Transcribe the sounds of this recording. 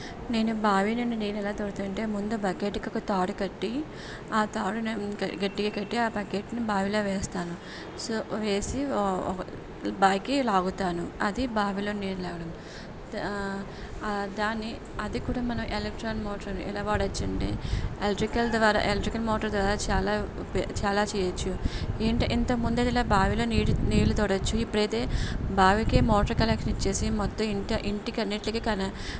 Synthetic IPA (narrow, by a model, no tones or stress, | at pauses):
ne̞ːnubaːʋinɐnːineːnɛlaːt̪oːɾut̪uɳʈe̞ːmund̪ubɐkeːʈikɔkːɐt̪aːɽukɐʈːi | aːt̪aːɽuɡɐʈːiɡaːkɐʈːiaːpɐkeːʈnibaːʋilo̞ːʋɛːst̪aːnu | soːʋe̞ːsi | baːjkilaːɡut̪aːnuɐd̪ibaːʋilo̞ːniːɾlɛːɡɐɽɐm | d̪aːnːi | ɐd̪ikuːɽaːmɐnɐmʔelek̚ʈɾaːnmoːʈɾɐnuḭlaːʋaːɽɐt͡ʃːɐɳɖḭelʈɾikɐld̪ʋaːɾa̰ːʔelʈɾikɐlmɔːʈɐɾd̪ʋaːɾaːt͡ʃaːlaː | pt͡ʃaːlaːt͡ʃɛːjɐt͡ʃːueːɳʈʔint̪ɐmund̪ed̪ilaːbʱaːʋilo̞ːniːɽuniːlut̪ɔːɽɐt͡ʃːuipːuɽɐjt̪e̞ːbʱaːʋikeːmoːʈɐɾkɐlɛkʂɐnit͡ʃːe̞ːsimɔt̪ːɐmiɳʈɐʔiɳʈikɐnːeʈlɐkikɐnɐ